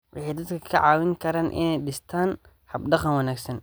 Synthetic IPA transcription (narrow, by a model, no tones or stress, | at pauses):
wʔɑ̰ħɑjd̪ɐd̪kʰɐkʰɐʕɑːwɪŋkʰɐɾaːnʔɪ̰nɛjɗɪst̪ʰaːn | hɐbɖɑqɐnwɐnaːɡsɐn